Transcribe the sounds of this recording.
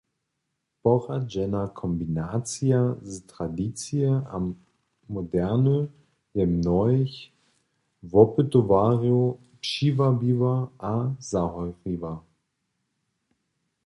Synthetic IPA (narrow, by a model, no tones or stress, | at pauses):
pɔʁad͡ʒɛnakʰɔmbinaːt͡siaztʁ̥adiːt͡siəa̰mː | odɛɐnə | jɛmnɔɪç | vɔpətovaːʁio | pʃiːvabiːvɐʔazaɦɔʏʁiːvɐ